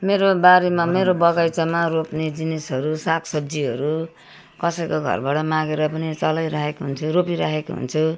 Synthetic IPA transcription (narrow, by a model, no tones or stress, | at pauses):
meɾobaɾemameɾobʌɡajt͡sʌmaropned͡zinesɦʌɾusakʰsʌbd͡ziɦʌɾu | kʌsʌjkoɡʱʌ̰rbaʈʌmãɡeɾʌpʌnit͡sʌlʌjɾaɦekoɦunt͡sʰuɾopiɾaɦekoɦṵnt͡sʰu